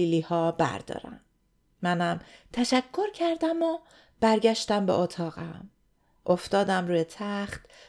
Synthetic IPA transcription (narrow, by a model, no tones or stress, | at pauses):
iːliːhɒːbæ̰ɾd̪ɒ̰ːɾæ̰mː | ænæmt̪ʰæʃækʰːo̞ɾcʰæɾd̪æmo | b̥æɾɟæʃt̪æmbḛʔot̪ʰɒːɣæm | ʔoft̪ɒːd̪æmɾuːjet̪ʰæχt̪